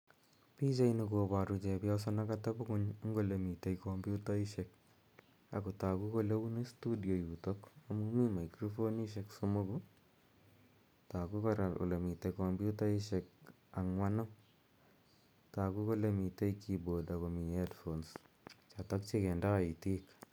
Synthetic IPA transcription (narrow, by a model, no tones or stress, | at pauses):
pit͡ʃainikoːpaɾut͡ʃɛpjas̬anakatabukʊɲŋɡolemitejkombjutaiʃek̚ | a̰kotakukolewunestudijojutokamumimajkɾofoniʃ̬eksomoku | takukaɾao̰lemitekombjutaiʃek̚ | aŋwanɔ | takukolemitejkʰibodakomiadfons | t͡ʃatakt͡ʃekɛndaitik